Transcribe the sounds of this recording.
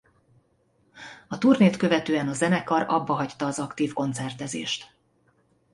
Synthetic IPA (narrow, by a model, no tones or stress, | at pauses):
ɒt̪uːrneːt̪kø̞vɛt̪øːɛnɒzɛnɛkɒrɒbːɒɦɒct̪ɒːzɒkt̪iːfko̞nt̪sɛrt̪ɛzḛːʃt̪